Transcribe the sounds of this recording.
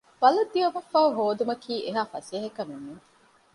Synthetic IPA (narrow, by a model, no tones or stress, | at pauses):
b̥ɐlɐd̪ːiɐmɐfːɐuɦoːd̪umɐkʰiːʔeɦaːfɐseːɦɐkɐmunːuŋ